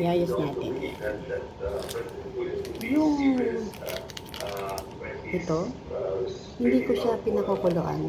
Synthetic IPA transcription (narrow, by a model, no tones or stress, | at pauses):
ɪʔaːjosnaːt̪ɪ̰n | jʊŋ | ʔɛt̪o | hɪnd̪iːkoʃapɪnɐkokoloʔa̰n